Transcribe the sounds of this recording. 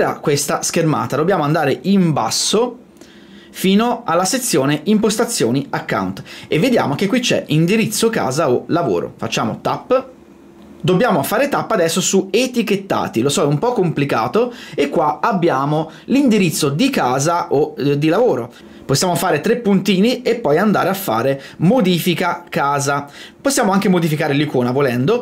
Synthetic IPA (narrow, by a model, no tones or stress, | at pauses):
ɾa̰kːwest̪askerma̰ːt̪ad̪objaːmoand̪aːɾeʔimba̰sːo | fiːnoalːaset̪sːjoːneʔimpost̪at̪sːjoːniakːa̰wnt̪evːed̪ja̰ːmok̟ekːwit͡ʃɛ̰ind̪iɾit̪sːoka̰ːzaolavo̰ːɾo̰fat͡ʃːaːmo̰t̪apː | d̪objaːmofaːɾet̪apːad̪ɛsːosuet̪iket̪ːa̰ːt̪ilosɔɛumpɔkːomplikaːt̪oekːwaabːjaːmo | lind̪iɾit̪sːod̪ikaːzaʔod̪ːilavoːɾo | posːjaːmofaːɾet̪ɾepːunt̪iːniepːɔjand̪aːɾeafːa̰ːɾe | mod̪iːfikakaːzaposːjaːmoaŋk̟emod̪ifikaːɾelikoːnavolɛnd̪o